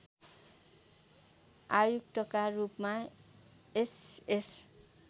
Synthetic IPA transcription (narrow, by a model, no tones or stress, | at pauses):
ajukt̪ʌkarupma | eses